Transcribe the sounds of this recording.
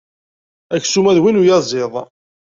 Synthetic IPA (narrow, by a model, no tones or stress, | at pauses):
æçsumæðwinujɑzˤɪðˤ